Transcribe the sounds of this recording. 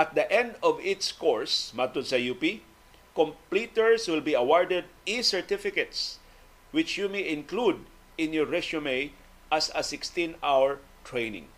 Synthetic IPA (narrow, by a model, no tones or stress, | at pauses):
ʔɐt̪̚d̪ɐʔɛ̃nd̪ɔvɪt̪skoɹsmat̪ʊsɐjupi | kɔ̃mplit̪ɛɹswɪlbiɐwaɹd̪ɛd̪̚isɛɹt̪ɪfɪkɛt̪s | wɪt͡ʃjumejɪ̃nklud̪̚ | ʔɪ̃nːuɹɛʃʊmej | ʔasɐsɪkst̪ĩnawɛɹ | t̪ɹejnɪ̰̃ŋ